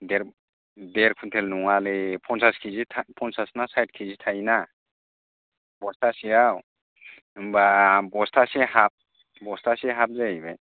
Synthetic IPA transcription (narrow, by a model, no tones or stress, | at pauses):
deɾ | deɾkʰuntʰɛlnuŋalepʰɔnsaskʰizitʰapʰɔnsasnasajt̚kʰizitʰajna | bɔstʰasijaw | ɯmbabɔstʰasihap̚ | bɔstʰasiɦap̚zajbaj